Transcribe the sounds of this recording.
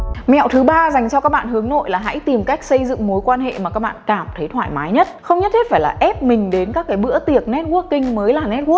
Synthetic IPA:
mɛ̰˧˨wt̪ʰɨ˨˦ɓaː˧za˨˩jŋ̟t͡ɕɔ˧kaː˦˥k̚ɓa̰ː˧˨nhɨ˨˦əŋno̰˧˨jlaː˨˩ɦa̰˧˥jt̪i˨˩mka˦˥jk̟̚sə˧jzɨ̰˧˨ŋmo˨˦jkwaː˧nɦḛ˧˨maː˨˩kaː˦˥k̚ɓa̰ː˧˨nkaː˧˩mt̪ʰe˨˦t̪ʰwaː˧˩˨jmaː˨˦jɲə˦˥t̚xə˧wŋ͡mɲə˦˥t̚hʰe˦˥tfaː˧˩jlaː˨˩ʔɛ˦˥p̚mï˨˩ŋ̟ɗe˨˦nkaː˦˥kːaː˨˦jɓɨ̰˧˥ət̪i˨˩ək̚nɛ˦˥t̚ku˦˥əkːï˧ŋ̟məː˨˦jlaː˨˩nɛ˦˥t̚ku˦˥ə

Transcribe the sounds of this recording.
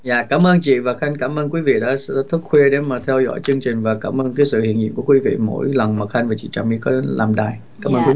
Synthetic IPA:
zaː˧˨˩kaː˨˦mʔəː˧nt͡ɕḭ˧˨vaː˨˩xa˧jŋ̟kaː˧˦mʔəː˧nk̬wi˨˦vḭ˧˨ɗa̰ː˨˦˥sɛ̰˧˥t̪ʰu˦˥k̚xwe˧ɗe˨˦maː˨˩t̪ʰɛ˧wzɔ̰˧˥jt͡ɕɨ˧əŋt͡ɕï˨˩ŋ̟vaː˨˩kaː˧˩mʔəː˧nkaː˨˦jsɨ̰˧˨hi˧˨ənɲḭ˧˨mku˧˩əkwi˨˦vḭ˧˨mo̰˧˥jlə˨˩ŋmə˨˩k̚xa˧ŋ̟vaː˨˩t͡ɕḭ˧˨t͡ɕaː˨˩mi˧kɔ˨˦lʔaː˨˩mɗaː˨˩j | kaː˨˦mʔəː˧nkwi˨˦˨

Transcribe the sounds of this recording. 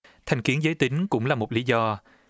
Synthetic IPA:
t̪ʰa˨˩jŋ̟ki˨˦ənzəː˨˦jt̪ï˨˦ŋ̟kʊ̰˧˥ŋ͡mlaː˨˩mo˨˩t̚li˨˦zɔ˧

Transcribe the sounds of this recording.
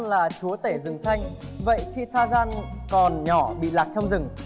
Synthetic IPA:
nlaː˨˩t͡ɕu˨˦ət̪e˧˩zɨ˨˩ŋsa˧jŋ̟və̰˧˨jxi˧t̪ʰaː˧zaː˧nkɔ˨˩nɲɔ˧˩ɓḭ˧˨la˨˩t̚t͡ɕɔ˧wŋ͡mzɨ˨˩ŋ

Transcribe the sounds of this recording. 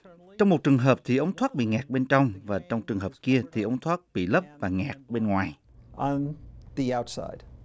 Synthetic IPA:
t͡ɕɔ˧wŋ͡mmo˨˩t̚t͡ɕɨ˨˩əŋɦəː˨˩p̚t̪ʰi˨˩ʔə˨˦wŋ͡mt̪ʰwaː˦˥t̚ɓḭ˧˨ŋaː˨˩k̚ɓe˧nt͡ɕɔ˧wŋ͡mvaː˨˩t͡ɕɔ˧wŋ͡mɨ˨˩əŋɦəː˨˩p̚ki˧ət̪ʰi˨˩ʔə˨˦wŋ͡mt̪ʰwaː˦˥t̚ɓḭ˧˨lə˦˥p̚vaː˨˩ŋaː˨˩k̚ɓe˧nŋwaː˨˩j | ʔə̃nðiaʊtsa̰ɪd̥

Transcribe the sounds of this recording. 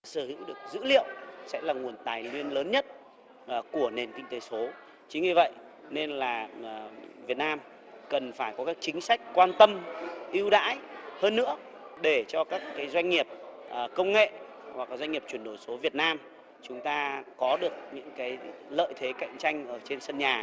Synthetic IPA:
ɗsəː˧˩hḭ˧˥wɗɨ˨˩ək̚zɨ̰˧˥lḭ˧˨əwsɛ̰˧˥laː˨˩ŋu˨˩ənt̪aː˨˩jŋwi˧ənləː˨˦nɲə˦˥t̚ | ʔku˧˩əne˨˩nkï˧ŋ̟t̪e˨˦so˨˦ | t͡ɕï̟˨˦i˧˩və̰˧˨jʔ | ne˧nlaː˨˩˨ | vi˨˩ət̚naː˧m | kə˨˩nfaː˧˩jkɔ˨˦kaː˦˥k̚t͡ɕï˨˦ŋ̟sa˦˥jk̟̚kwaː˧nt̪ə˧mʔi˧əwɗa̰ː˧˥jhəː˧nːɨ̰˧˥ə | ɗe˧˩t͡ɕɔ˧kaː˦˥kːaː˨˦jzwa˧jŋːi˨˩əp̚ | ʔkə˧wŋ͡mŋḛ˧˨ | vaː˨˩kːaː˨˩zwa˧jŋ̟ŋi˨˩əp̚t͡ɕwi˧˩nɗo˧˩jso˨˦vi˨˩ət̚naː˧m | t͡ɕʊ˨˦ŋ͡mt̪aː˧kɔ˨˦ɗɨ˨˩ək̚ɲɨ̰˧˥ŋkaː˨˦jlə̰ː˧˨jt̪ʰe˨˦ka̰˧˨jŋ̟t͡ɕa˧jŋ̟ʔəː˧˩t͡ɕe˧nsə˧nɲaː˨˩

